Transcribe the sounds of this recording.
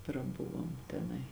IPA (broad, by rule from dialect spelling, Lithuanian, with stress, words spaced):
prɐˈbʊʋoːm tʲɛˈnɐɪ